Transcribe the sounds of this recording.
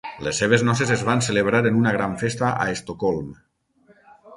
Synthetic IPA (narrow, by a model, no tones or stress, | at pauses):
lesːeβ̞eznɔsezezβanseleβ̞ɾaɾenunaɣ̞ɾaɱfest̪aʔa̰est̪okɔlˠm